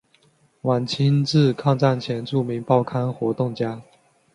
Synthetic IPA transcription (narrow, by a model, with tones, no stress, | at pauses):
wa˨˩nt͡ɕʰi˥nt͡sɹ̩˥˧˨kʰɑ˥˧ŋt͡sa˥˩nt͡ɕʰjɛ˧˥nʈ͡ʂu˥˩mi˧˥ŋpɑ˥˩ʊkʰa˥nxwɔ˧˥t̪ʊ˥˩ŋt͡ɕja˥